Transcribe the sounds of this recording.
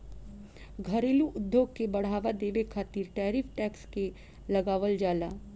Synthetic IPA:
ɡʱɐɾeːluʔʊd̪joːɡ̚kebɐɽ̤aːʋad̪eːʋekʰaːt̪iːɾʈɛːɾɪːfʰʈɛːkske | lɐɡaːʋəld͡ʒaːlaː

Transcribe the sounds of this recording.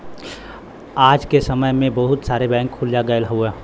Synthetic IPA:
aːd͡ʒkesəməjmẽbəɦʊt̪saːɾebɛ̃ːŋkʰːʊljaɡəjlɦue

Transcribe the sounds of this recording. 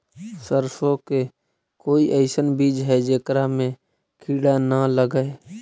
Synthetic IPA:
səɾsõke | koːiʔəɪsənbiːd͡ʒɦɛd͡ʒeːkɾamẽ | kʰiːɽanaləɡəe

